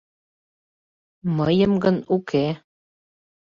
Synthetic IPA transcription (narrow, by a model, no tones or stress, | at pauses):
məjəmɡənukʰe